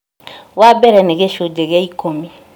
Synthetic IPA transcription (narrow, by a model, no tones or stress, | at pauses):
wabɛɾɛnɛɡɛʃodɛɡɛikʰomĩ